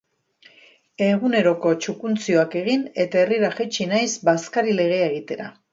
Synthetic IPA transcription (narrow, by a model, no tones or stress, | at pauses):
e̞ɣune̞ɾo̞ko̞t͡ʃukunt͡sio̞ake̞ɣ̞ine̞t̪ae̞riɾaxet͡ʃinajsbaskaɾile̞ɣ̞e̞aeɣ̞it̪e̞ɾa̰